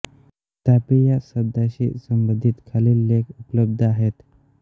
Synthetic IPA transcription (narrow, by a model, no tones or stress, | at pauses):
t̪apijasəd̪ʱaɕḭsəmbənd̪ʱit̪kʰaliːlːekupləb̚d̪ʱəaɦet̪